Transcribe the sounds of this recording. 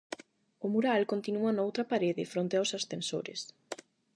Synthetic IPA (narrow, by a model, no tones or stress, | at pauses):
ʊmuɾalkont̪inuɐnaowt̪ɾɐpaɾeðɪfɾont̪eawsasθenso̰ɾɪ̰s